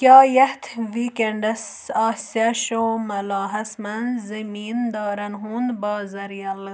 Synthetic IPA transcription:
kɑːjɐht̪ʰʋiːkeɳɖɐs | aːsjaʃomɐlɑːɦɐsmɐnzɐmiːnd̪ɑːɾɐnɦund̪bɑːzɐɾjɐl

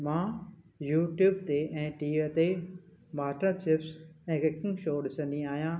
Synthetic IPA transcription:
mãː | juːʈjuːbt̪eɛ̃ːʈiːt̪e | maːʈə̃t͡ɕɪpsɛ̃ːkɪkɪ̃ŋɡʃoːɗɪsə̃nd̪ĩaːɦijãː

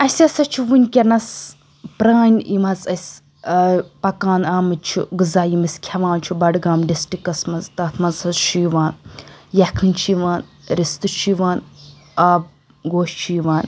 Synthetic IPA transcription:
ɐsɐsɐt͡ʃʰuʋunʲkʲɐnɐs | pɾaːnʲimɐzɐsʲ | pɐkaːnaːmɨt͡ʃʰṵɡɨzaːjimɐskʲʰɐʋaːnt͡ʃʰibɐɖɡaːmɖisʈikɐsmɐzt̪ɐt̪ʰmɐzɐzʃiːʋaːnjɐkʰɨnʲt͡ʃʰiʋaːnɾist̪ɨt͡ʃʰiʋaːn | aːb̚ | ɡoːʃt͡ʃʰiːʋaːn

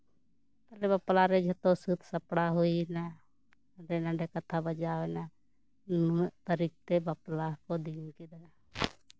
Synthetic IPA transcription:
t̪əlebəplaɾed͡ʒet̪osut̪ʰsəpɽaɦoina | ɖenãɖekət̪ʰabəd͡ʒaːena | t̪əɾik̚t̪ebəplakod̪inkid̪a

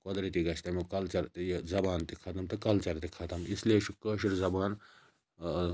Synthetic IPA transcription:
kod̪ɾit̪iɡɐt͡ʃʰt̪ɐmikɐlt͡ʃɐɾt̪jzɐbaːnt̪ikʰɐt̪ɐmt̪ɨkɐlt͡ʃɐɾt̪ikʰɐt̪ɐmislieʃikəːʃiɾzɐbaːn

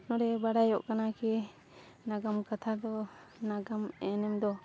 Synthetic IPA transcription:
nɔɾɛbaɽajɔʔkanakɛ | naɡamkat̪ʰad̪ɔnaɡamɛnɛmd̪ɔ

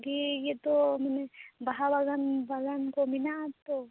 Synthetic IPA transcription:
ɡijet̪omɛnebɐɦaʋɐɡənbɐɡənkomɪnat̪o

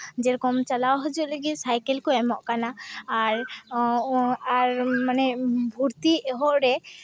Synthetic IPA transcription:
d͡ʒɛɾɔkɔmt͡ʃalawɦɔd͡ʒuʔləɡisajkɛlkɔɛmɔʔkanaːɾ | aɾmanɛbʱuɾt̪iɛɦɔʔɾɛ

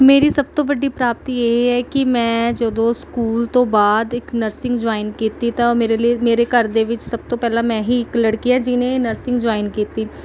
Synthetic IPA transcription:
meːɾiːsəb̚t̪õːʋəɖiːpɾaːp̚t̪iːjeːiɦɛːkɪmɛ̃ːd͡ʒəd̪õːskuːlt̪õːbaːd̪ɪknəɾsɪ̃ŋɡd͡ʒaːɪnkiːt̪iːt̪ãmeːɾemeːɾeːkəɾd̪eːʋɪt͡ʃsəb̚t̪õːpɛːlãːmɛ̃ːɦiɪkləɽkiɛːd͡ʒɪnẽːnəɾsɪ̃ŋɡd͡ʒaːɪnkiːt̪iː

